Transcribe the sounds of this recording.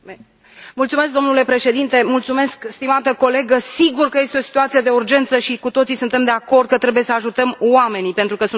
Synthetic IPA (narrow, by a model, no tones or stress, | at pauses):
mult̪sume̞s̬k̚d̪o̞mnule̞pɾe̞ʃe̞d̪int̪e̞mult̪sume̞skst̪imat̪əko̞le̞ɡəsiɡurkəje̞st̪eo̞si̥t̪uat̪sije̞d̪e̞urd͡ʒe̞nt̪səʃikut̪o̞t̪sisunt̪e̞md̪eako̞rd̪̚kət̪ɾe̞bujesəaʒut̪əmwame̞nipe̞nt̪ɾukəsu